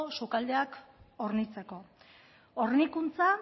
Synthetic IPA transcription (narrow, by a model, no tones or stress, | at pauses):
sukald̪eako̞ɾnit͡se̞ko̞ | oɾnikunt͡sa